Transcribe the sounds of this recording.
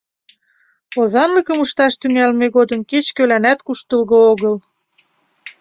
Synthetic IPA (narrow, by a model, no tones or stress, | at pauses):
ozɑnləkəmuʃt̪ɑʃt̪yŋælmeɣod̪əmket͡ɕkølænæt̪̚kuʃt̪əlɣooɣɤl